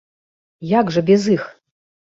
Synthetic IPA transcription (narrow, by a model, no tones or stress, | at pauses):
jakʐɨbʲɛzɨx